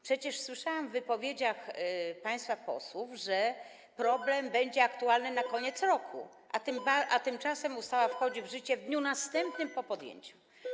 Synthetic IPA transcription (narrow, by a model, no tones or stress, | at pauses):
pʂɛt͡ɕɛʂswɘʂawamvːɘpɔvʲjed͡ʑaxpaj̃st̪fapɔ̰swufʐɛ | pɾɔblɛmbɛɲd͡ʑɛakt̪ualnɘnakɔɲɛt̪sɾɔkʰṵ | ʔat̪ɨmbaʔat̪ɘmt͡ʂasɛmust̪awafxɔd͡ʑivʐɘt͡ɕɛvd̪ɲunast̪ɛmp̚nɘmpɔpɔd̪jḛɲt͡ɕu̥